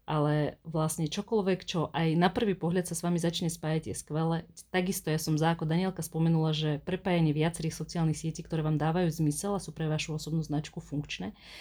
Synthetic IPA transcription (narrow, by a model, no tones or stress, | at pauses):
ʔalɛʋlasɲɛt͡ʃɔkɔlʋɛkt͡ʃɔʔajnapr̩ʋiːpɔɦʎat̪sasʋamizat͡ʃɲɛspaːjaɟjɛskʋɛlɛt̪aɡist̪ɔjasɔmzaːkɔd̪aɲɪɛlkaspɔmɛnulaʒɛpɾɛpaːjaɲɪɛʋɪat͡sɛɾiːxsɔt͡siaːlnixsɪɛciːkt̪ɔɾɛːʋaːmd̪aːʋajuːzmisɛlasuːpɾɛʋaʃuɔsɔbnuːznat͡ʃkufuŋkt͡ʃnɛː